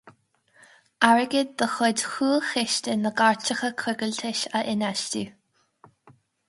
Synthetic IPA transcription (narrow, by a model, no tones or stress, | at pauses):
aɹəɡɪd̪̚dəxɔdxuːxɪʃtɪnəɡaɹt͡ʃəxəkʰɾʊɡəlt̪ʰɪʃəʔɪnaʃtu